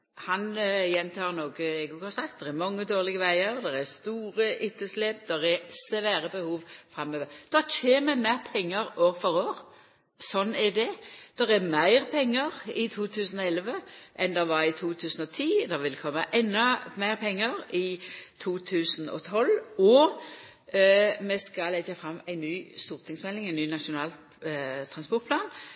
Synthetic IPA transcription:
hɑnjɛnt̪ʰɑːʁnoːɡəɛɡʊɑsɑk̚t̪̚d̪ɛʁɛɾmɔŋːəd̪oːʁlɪɡəʋæɪəɾd̪ɛɾæst̪uːʁəʔɪt̪ːəslɛp̚d̪̥ɛɾɛsʋæːɾəbəhuːʋfɾɑmøːʋəd̪̥ɑt͡ʃʰeːməmæɪʁpʰɛŋːəɾoːʁfɔɾoːɾ | sɔnːɛd̪ɛd̪̥ɛʁɛmæɪʁpʰɛŋːəʁɪt̪ʰuːt̪ʰʉːsn̩ɔɛlʋəʔɛnd̪ɛʋɑɾɪt̪ʰuːt̪ʰʉːsn̩ɔt̪ʰiːd̪ɛʋɪlkʰɔmːəʔɛnːɑmæɪʁpʰɛŋːəʁɪt̪ʰuːt̪ʰʉːsn̩ɔ̰t̪ʰɔlɔ | mɛskɑlɛɡəfɾɑmːæɪnnyːst̪uːʁt̪ʰɪŋsmɛlːɪŋæɪnyːnɑʂʊnɑːl | t̪ʰʁɑnspɔt̪pʰlɑːn

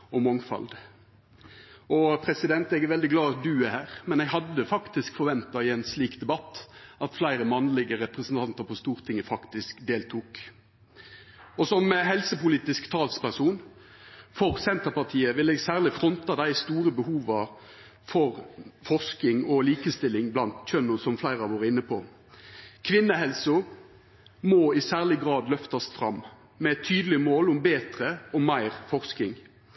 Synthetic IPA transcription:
ɔmɔŋfɑ̰ld̪ | ɔpʰɾɛsɪd̪ɛnt̪ɛɡæɾʋɛld̪ɪɡlɑːɑt̪̚d̪ʉæɾhæːʁmɛnɛɡhɑd̪əfɑkt̪ɪskfɔɾʋɛnt̪ɑɪɛnsliːkd̪ɛbɑt̪ːʔɑt̪flæɪɾəmɑnlɪɡəɾɛpʁəsn̩t̪ʰɑnt̪əɾpʰɔst̪uːʁt̪ʰɪŋːəfɑkt̪ɪskd̪eːlt̪ʰuːk | ɔsɔmːɛɦɛlsəpʊliːt̪ɪskt̪ʰɑːlspæʁsuːn | fɔʁsɛnt̪əpɑt̪ʰiːəʋɪlɛɡsæːʁlɪfɾɔnt̪ɑd̪æɪst̪uːʁəbəhuːʋɑ | fɔɾfɔʁskɪŋɔliːkəst̪ɪlːɪŋblɑnt̪çœnːʊsɔmflæɪʁɑʋɑːʁɪnːəpʰɔ̰ | kʰʋɪnːəhɛlsʊ | moːɪsæːʁlɪɡʁɑːd̪lœft̪ɑst̪fʁɑ̰m | mɛt̪ʰːyːd̪əlɪmoːlʊmbeːt̪ʁəɔmæɪʁfɔʁskɪŋ

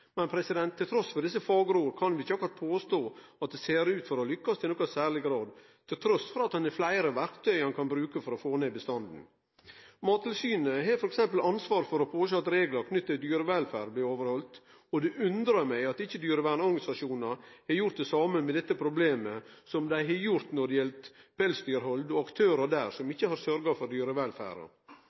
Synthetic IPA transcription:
mɛnpʰɾɛsɪd̪ɛnt̪ʰːɪlt̪ʰɾɔsfɔɖɪsːəfɑːɡɾoːkʰɑnʋɪɪçːɑkɑt̪pʰoːst̪oːɑt̪̚d̪ɛseːɾʉːt̪fɔɾɔlʏkːɑst̪ʰɪnɔkːəsæːɭɪɡɾɑːd̪ | t̪ʰːɪlt̪ʰɾɔsfɔɾɑt̪hɑnɛflæɪɾəʋæɾkt̪ʰœʏhɑnkʰɑnbɾʉːkəfɔɾɔfoːnebəst̪ɑnd̪n̩ | mɑt̪əlsyːnəɦɛfɔɾɛksɛmpəlɑnsʋɑːɾfɔɾɔpʰoːʃɑɑt̪ɾeːɡləɾkʰnʏt̪ːəd̪yːɾəʋɛlfæ̰ːɾblɪoːʋəɾhɔlt̪ | ɔd̪ɛʔʉnd̪ɾəɾmæɪɑt̪ɪçːəd̪yːɾəʋænɑɾŋsɑʂuːnəɾhɛɾjʊɾt̪̚d̪ɛsɑːməmɛd̪ɛt̪ːəpʰɾʊbleːməsɔmd̪æɪɦɛjʊɾt̪nɔɖɪjɛlt̪pɛlsd̪yːɾɦɔld̪ɔɑkt̪ʰøːɾəd̪æːɾsɔmɪçːəhɑɾsœɾɡɑfɔɾd̪yːɾəʋɛlfæ̰ːɾə̰ɾ

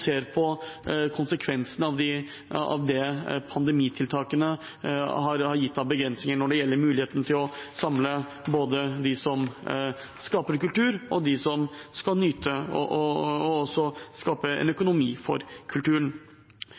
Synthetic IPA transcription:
seːɾpʰɔkʰʊnsəkʰʋɛnsən̩ɑʋd̪ɪ | ɑ̰ʋd̪ɛpʰɑnd̪ɛmiːt̪ʰɪlt̪ʰɑːkənə | hɑɾhɑɾjɪt̪ːɑbəɡɾɛnsnɪŋəɳɔɖɛjɛlːəɾmʉːlɪheːt̪nət̪ʰɪlɔsɑmlə | boːd̪əd̪ɪsɔm | skɑːpəɾkʉlt̪ʉːɾɔd̪ɪsɔmskɑlnyt̪ʰəɔ̰ʔɔɔɔsːɔskɑːpəɛ̰nœkʊnʊmiːfɔ̰ɾkʰʉlt̪ʉːɾən

